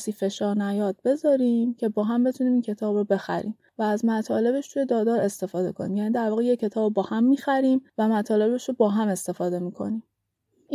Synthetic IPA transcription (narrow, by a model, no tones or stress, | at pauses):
siːfe̞ʃɒːɾnæjɒːd̪̥̚be̞zɒːɾimcʰe̞bɒːɦæmbe̞t̪ʰuniːmiːncʰe̞t̪ʰɒːbɾobe̞xæ̰ɾʔḭːm | væːzmæt̪ʰɒːle̞be̞ʃt̪ʰuje̞d̪ɒːd̪ɒːɾe̞st̪e̞fɒːd̪e̞̰kʰo̞nḭːmjæːniːd̪æɾvɒːɣejecʰːe̞t̪ʰɒːbbɒːhæmːiːxæɾiːmvæmæt̪ʰɒːle̞be̞ʃɾobɒːɦæme̞st̪e̞fɒːd̪e̞miːkʰo̞̰nim